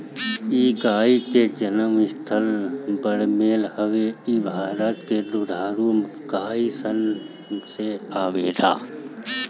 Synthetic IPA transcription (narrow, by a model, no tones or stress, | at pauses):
iːkaːikeːd͡ʒɐnəmɪst̪ʰəlbəɽmeːlhəʋeiːbʱaːɾət̪keːlud̪ʱaːɾumkaːisən | seaːʋeːda̰ː